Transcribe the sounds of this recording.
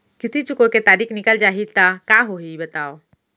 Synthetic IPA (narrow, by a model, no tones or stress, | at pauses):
kɪt̪ʰit͡ʃʊkoket̪aːɾiːknɪkəld͡ʒaːɦit̪akaːɦoɦibɐt̪aːoː